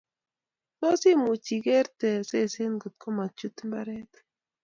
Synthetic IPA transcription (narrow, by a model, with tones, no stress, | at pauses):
to˦si˦˨mu˨t͡ʃi˨ɡɛ˦ɾt̪ɛ˨se˦˨se˦nɡo˨t̪̚kʰo˦ma˨t͡ʃu˦t̪mba˦ɾɛ˦t̪